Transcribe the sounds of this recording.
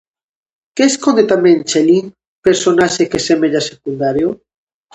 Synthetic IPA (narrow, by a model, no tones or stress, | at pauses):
keːskond̪et̪amẽnt͡ʃeliŋ | peɾsonaʃekesemeʎasekund̪aɾjo